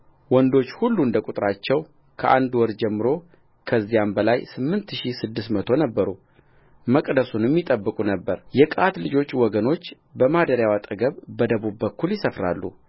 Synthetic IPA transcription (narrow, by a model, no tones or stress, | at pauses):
wɔnd̪o̞t͡ʃːhulːuɨnd̪əkʼut̪ʼɾat͡ʃːɛw | kʰəʔand̪wɔɾd͡ʒɛmːɨɾo̞ | kʰəzːijambəlajsɨmːɨnt̪ʃisɨd̪ːɨsmət̪ʰo̞nəbːəɾu | məkʼd̪əsunjɛmːit̪ʼəbːɨkʼunəbːəɾjɛkʼat̪lɨd͡ʒo̞t͡ʃːwɔɡəno̞t͡ʃː | bəmad̪əɾjawat̪ʼəɡəβbəd̪əβubːəkːuljɪsəfɾa̰lːṵ